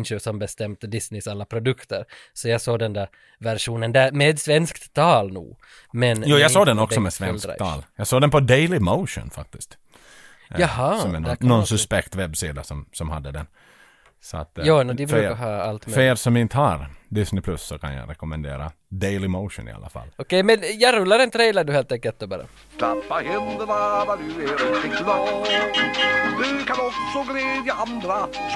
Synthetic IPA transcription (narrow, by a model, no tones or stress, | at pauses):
nɕʉsɔmbɛst̪ɛmt̪əd̪ɪsnɪsalːapʰɾʊd̪ɵkt̪əɾ | sɔjɑɡsoːd̪ɛnd̪æɾ | væɾʂuːnənd̪æɾmɛːd̪svɛnskt̪t̪ʰːɑːlnṵː | mɛnjuːjɑɡsoːd̪ɛnɔkssɔmɛsvɛnsskt̪ʰɑ̰ːljɑɡsoːd̪ɛnpʰɔd̪ɛjlɪmoʊʂʊ̰nfa̰k̚t̪ɪst̪ | jɑɦɑsɔɛnnɔnsɵspɛkt̪vɛbsiːd̪asɔmsɔmha̰d̪ːəd̪ɛn | sɔa̰t̪ːjaːnɔd̪ɪbfɾʉːkəɦɑːalt̪mfeːɾsɔmɪnt̪əhaɾd̪ɪsnɪpʰlɵsːɔkʰa̰nja̰ɾɛkʊmɛnd̪ḛːɾa̰ | d̪ejlɪmoʊʂʊ̰nɪ̰a̰lːa̰fa̰lɔkɛjmɛnjɑɾʉlːaɾɛnt̪ʰɾɛjlaɖʉːheːlt̪ɛŋkːəlt̪d̪oːbɑːɾa̰ | t̪apːahɛnd̪ənavad̪ʉɛɾɪnt̪ɪəlɔː | d̪ʉkʰanɔksɔɡlɛːd̪jaand̪ɾa